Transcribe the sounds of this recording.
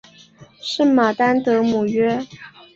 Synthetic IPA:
ʂɻ̩˥˩ma˨˩t̪a˥nt̪ɤ˧˥mu˨˩ɥɛ˥

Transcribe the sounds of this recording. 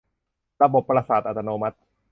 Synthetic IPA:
ɾa˧bo˨˩pːɾa˧saː˨˩t̪̚ʔa˨˩t̪ʰːa˧noː˧ma˦˥t̪̚

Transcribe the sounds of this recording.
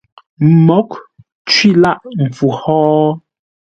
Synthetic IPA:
m̩˨mɔ˨˦k | t͡ʃɥi˦la˦ʔm̩˨fu˨hɔː˦

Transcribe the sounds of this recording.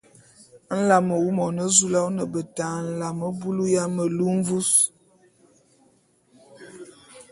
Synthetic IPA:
n̩˦la˨mə˨wu˦mɔ˨nə˦zu˦la˦wnə˨bə˨taː˨n̩˨la˨mə˦bu˦lu˦ja˦mə˨lu˦ɱ̩˦vu˦s

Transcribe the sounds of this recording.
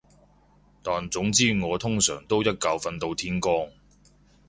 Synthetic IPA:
t̪aː˨nt͡sʊ˨˥ŋt͡siː˥ŋɔː˨˧t̪ʰʊ˥ŋsœː˨˩ŋt̪o˥wjɐ˥t̚kɐ˨˧wfɐ˧nt̪o˧wt̪ʰiː˥nkɔː˥ŋ

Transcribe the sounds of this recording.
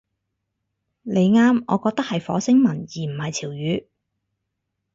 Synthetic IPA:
le˨˧jŋaː˥mɔː˨˧kɔː˧k̚t̪ɐ˥k̚hɐ˨jfɔ̰ː˨˥sɪ˥ŋmɐ˨˩njiː˨˩m̩˨˩hɐ˨jt͡sʰiː˨˩wjyː˨˧

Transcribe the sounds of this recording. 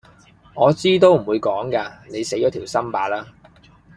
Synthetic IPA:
ŋɔː˨˧t͡siː˥t̪̬o˥wm̩˨˩wuː˨˧jkɔː˨˥ŋkaː˧ne˨˧jse˨˥jɔː˨˥t̪ʰi˨˩wsɐ˥mpaː˨˧laː˥

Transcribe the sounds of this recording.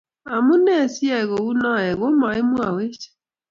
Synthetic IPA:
a˨mu˦nɛ˦˨sjɛ˦˨ɣo˨u˦nɔ˦ɛ˨ɣo˦ma˨e˦mwa˨we˦t͡ʃɛ̥˦

